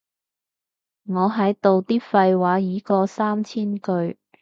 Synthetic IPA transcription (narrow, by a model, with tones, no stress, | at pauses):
ŋɔː˨˧ɦɐ˨˥jt̪o˨wt̪iː˥fɐ˧jwaː˨˥jiː˨˥kɔː˧saː˥mt͡sʰiː˥nkɵ˧ɥ